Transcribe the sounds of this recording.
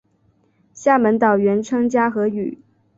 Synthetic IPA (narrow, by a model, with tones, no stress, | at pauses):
ɕja˥˩mə˧˥nt̪ɑ˨˩ʊɥɛ˧˥nʈ͡ʂʰɤ˥ŋt͡ɕja˥xɤ˧˥y˨˩˦